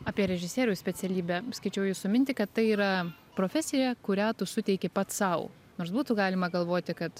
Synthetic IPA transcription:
ɑːpʲiɛɾʲɛʒʲɪsʲeːɾʲʊsʲpʲɛt͡ssʲɛlʲiːbʲæskɐɪt͡ʃʲɛʊjuːssʊmʲɪnʲt̪ʲɪkɐt̪t̪ɐɪiːɾɐ | pɾoːfʲɛsʲɪjʲɛkʊɾʲæːt̪ʊsʊt̪ʲɛɪkʲɪpɐt̪sɐʊ | noːɾsbuːt̪ʊɡɑːlʲɪmɐɡɐlˠʋoːt̪ʲɪkɐt̪

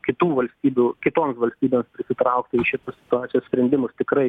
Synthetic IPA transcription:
kʲɪt̪uːʋɐlʲsʲt̪ʲiːbʲuːkʲɪt̪oːmsʋɐlʲsʲt̪ʲiːbʲeːmspʲɾʲɪsʲɪt̪ɾɐʊkt̪ʲɪɪʃʲɪt̪ɐsʲɪ̥t̪ʊaːt͡s̪ʲɪjoːsʲpʲɾʲɛnʲd̪ʲɪmʊst̪ʲɪkɾɐɪ

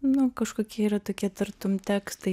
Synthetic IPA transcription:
nʊkɐʃkoːkʲiɛiɾɐt̪oːkʲiɛt̪ɪɾt̪omt̪ʲæːkst̪ɐɪ

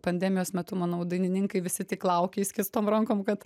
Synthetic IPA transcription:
pɐnʲd̪ʲɛmʲɪjoːsmʲɛt̪ʊmɐnɐʊd̪ɐɪnʲɪnʲɪŋkɐɪʋʲɪsʲɪt̪ʲɪklˠɐʊkʲeːsʲkʲɪst̪oːmɾɐŋkoːmkɐt̪

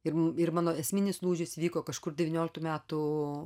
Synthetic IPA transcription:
ɪrɪɾmɑːnoːɛsʲmʲɪnʲɪslˠuːʒʲɪsʋʲiːkoːkɐʃkʊɾdʲɛʋʲinʲoːlʲɪk̚t̪uːmʲæːt̪ʊ

